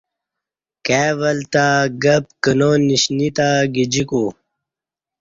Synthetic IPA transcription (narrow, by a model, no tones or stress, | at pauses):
keːʋəlt̪aɡəp̚kənoniɕnit̪aɡid͡ʑiku